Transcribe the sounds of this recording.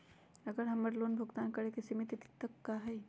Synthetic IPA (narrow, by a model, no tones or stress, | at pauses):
əɡəɾɦɐməɾloːnbʱʊɡt̪aːnkəɾekesimit̪it̪t̪əkːaɦɛj